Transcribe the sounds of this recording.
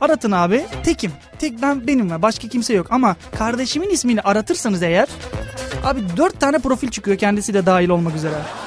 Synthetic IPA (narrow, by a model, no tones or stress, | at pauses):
aɾat̪ʰɯnaːbit̪ʰɛcʰim | t̪ʰɛc̚bænbe̞nimvɛbaʃkʰacʰimsɛjo̞kamakʰaɾd̪e̞ʃiminismiːniʔaɾat̪ʰɯɾsanɯze̞jæɾ̥aːbid̪øɾt̪ʰːaːnɛpɾo̞filʲt͡ʃʰɯ̥kɯjocʰɛnd̪isid̪ɛd̪aːjilʲo̞lˠmakyze̞ɾɛ